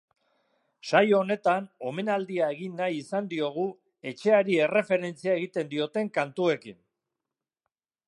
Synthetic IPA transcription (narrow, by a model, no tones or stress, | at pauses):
ʃajoːne̞t̪ano̞me̞nald̪iae̞ɣ̞inːajisand̪io̞ɣ̞u | e̞t͡ʃe̞aɾie̞re̞fe̞ɾe̞nt͡siae̞ɣit̪e̞nd̪io̞t̪e̞ŋkant̪ue̞kin